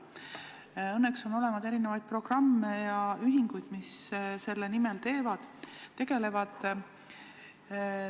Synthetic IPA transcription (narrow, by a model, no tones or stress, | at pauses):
ɤnːekso̞no̞le̞mɑd̪e̞ɾine̞vɑjd̪̥̚pro̞ɡ̥rɑmːejɑyɦiŋɡ̥ujd̪̥misse̞lːenime̞lt̪e̞ːvɑd̪̥t̪ːe̞ɡ̥e̞le̞vɑd̪̥